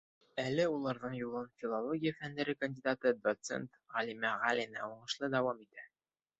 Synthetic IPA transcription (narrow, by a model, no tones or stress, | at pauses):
ælɘulˠɑɾðɤɴjulˠɤnfʲilˠolˠoɡʲijəfænd̪æɾɘkənʲdʲid̪at̪ɤd̪ot̪sḛnt̪ʁɒlʲimæʁælʲinæuɴɤ̆ʃlˠɤd̪æwɑmit̪æ